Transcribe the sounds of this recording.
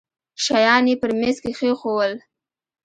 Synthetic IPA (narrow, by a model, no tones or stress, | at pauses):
ʃajɑnepəɾmeskexexowəl